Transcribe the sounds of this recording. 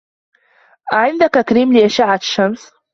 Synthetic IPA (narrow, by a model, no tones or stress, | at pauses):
ʕɪnd̪akakɾiːmlɪʔaʃaʕaʃːams